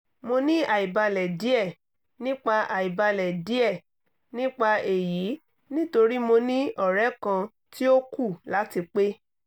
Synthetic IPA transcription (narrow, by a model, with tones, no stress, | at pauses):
mo˧nĩ˦a˨i˨ba˧lɛ˨di˨˦ɛ˦˨ | nĩ˦k͡pa˧ʔa˨i˨ba˧lɛ˨di˨˦ɛ˦˨ | nĩ˦k͡pa˧e˨ji˨˦ | nĩ˦to˧ɾi˦mo˧nĩ˦ɔ˦˨ɾɛ˨˦kã˧ | ti˦o˦ku˦˨la˨˦ti˧k͡pe˦